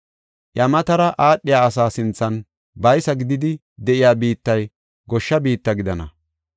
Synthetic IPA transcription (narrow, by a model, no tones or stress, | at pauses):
ʔjɐmɐt̪ɐɾɐʔaːɗːɪjaːɐsaːsɪnt͡sːɐn | bɐjsɐɡɪd̪ɪd̪ɪ | d̪ɛʔɪjaːbiːt̪ːɐj | ɡɔʃːɐbiːt̪ːɐɡɪd̪ɐnɐ̰